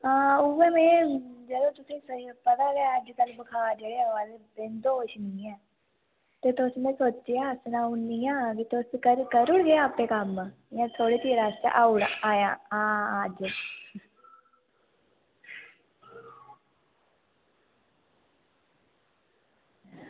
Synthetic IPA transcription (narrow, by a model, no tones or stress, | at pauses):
aːʊʋeːmɛ̃ːd͡ʒəlõːt̪ʊsĩːsəipət̪aːɡeaəd͡ʒt̪əlbəkʰaːd͡ʒeːɽeːʋaːleːbɪnd̪oːʃnĩːɛː | t̪eːt̪ʊsmẽːsoːt͡ʃːejaːsnãːʊiːãːkit̪ʊskəɾkəɾʊɽɡeaːəpːẽːkəm | jãːt̪ʰoːɽiːt̪iːɾaːst̪a̰ʔaːʊɽaːjãːaːəd͡ʒ